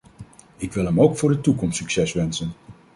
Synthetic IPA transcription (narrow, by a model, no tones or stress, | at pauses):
ɪkʋɪlˠəmowkfʊːɹdətukɔmsyksɛsʋɛnsən